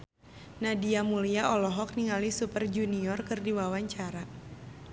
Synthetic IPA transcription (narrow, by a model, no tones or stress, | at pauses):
nadiamuliaʔɔlɔɦɔk̚niŋalisupərd͡ʒuniɔrkɨrdiwawaɲt͡ʃaɾa